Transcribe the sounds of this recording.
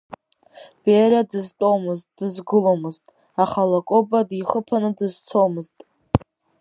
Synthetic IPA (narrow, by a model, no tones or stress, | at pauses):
b̥eɾadɨztʼo̞mɨztʼdɨzɡɨlomɨztʼ | aχalakʼobadiχəpʰanɨdɨzt͡sʰo̞mɨztʼ